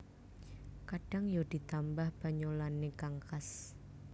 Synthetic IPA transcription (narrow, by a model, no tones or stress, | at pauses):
kaɖ̥aŋjod̥i̤t̪ambahb̥a̤ɲolanekaŋkas